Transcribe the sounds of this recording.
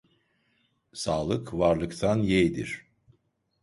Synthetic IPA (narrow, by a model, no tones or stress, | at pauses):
saːlˠɯkvaɾlˠɯkt̪ʰanjejd̪ḭɾ̥